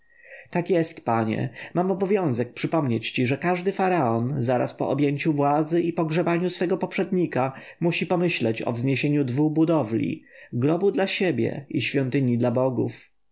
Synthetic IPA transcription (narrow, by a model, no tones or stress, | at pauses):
t̪akjɛst̪paɲɛ̰mamɔbɔvʲjɔ̃w̃zɛk̚pʂɘpɔmɲet͡ɕt͡ɕiʐɛkaʐd̪ɘfaɾaɔnzaɾa̰spɔ̰ʔɔbʲjeɲt͡ɕuvwad̪zɘʔipɔɡʐɛbaɲusfɛɡɔpɔpʂɛd̪ɲika | muɕipɔmɘɕlɛt͡ɕɔ̰vzɲeɕeɲud̪vuxbud̪ɔvlʲḭɡɾɔbud̪laɕebʲjɛ̰iɕfʲjɔnt̪ɘɲid̪labɔɡṵf